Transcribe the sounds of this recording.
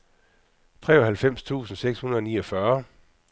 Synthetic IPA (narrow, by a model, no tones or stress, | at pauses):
t͡sʰʁɛ̰ːɒɦhælfem̰st͡sʰṵːsn̩seɡ̥shunɐð̞ˠɒ̽nḭːɒ̽fɶɐ